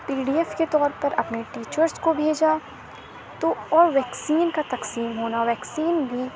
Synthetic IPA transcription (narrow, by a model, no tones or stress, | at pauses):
piːɖiɛfket̪ɔːɾpɐɾɐpneʈiːt͡ʃəɾskobʱeːd͡ʒa | t̪oɔːɾʋɛːksiːnkat̪ɐqsiːmɦoːnaʋɛːksiːnbʱi